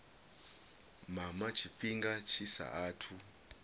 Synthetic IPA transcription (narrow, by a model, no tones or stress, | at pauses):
mamat͡ʃʰiɸiŋɡat͡ʃʰisa̰ʔaːtʰu